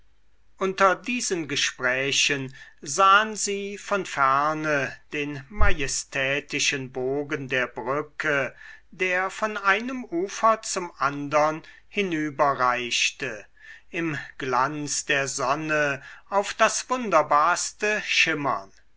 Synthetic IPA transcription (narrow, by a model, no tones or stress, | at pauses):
ʔʊntɐdiːzənɡəʃpʁ̥ɛːɕənzaːənziːfɔnfɛɐnəd̥eːnmajɛstʰɛːtɪʃənboːɡəndeːɐbʁʏkʰədeːɐfɔnʔaɪnəmuːfɐt͡sʊmʔandɐn | hɪnyːbɐʁaɪʃtə | ɪmɡ̥lant͡sd̥eːɐzɔnəaʊfd̥asv̥ʊndɐbaːɐstəʃɪmɐ̰n